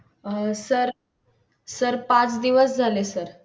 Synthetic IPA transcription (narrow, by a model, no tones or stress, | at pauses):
səɾ | səɾpãt͡sd̪iʋəsd͡zʱalesəɾ